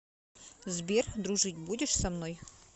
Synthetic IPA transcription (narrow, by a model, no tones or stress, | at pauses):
zbʲerd̪ɾuʐɨtʲbudʲɪʂsɐmnoj